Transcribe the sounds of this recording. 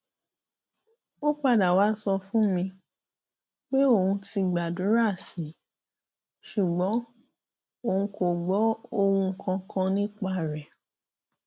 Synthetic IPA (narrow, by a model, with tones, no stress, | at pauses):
o˦k͡pa˦˨da˨wa˨˦sɔ˧fũ˦mĩ˧ | k͡pe˦o˦˨hũ˧ti˧ɡ͡ba˨dũ˨˦ɾa˦˨si˨˦ | ʃu˨ɡ͡bɔ̃˨˦ | o˨ũ˧ko˨ɡ͡bɔ˨˦o˧wũ˧˨kʰã˧kã˧nĩ˦k͡pa˦˨ɾɛ˨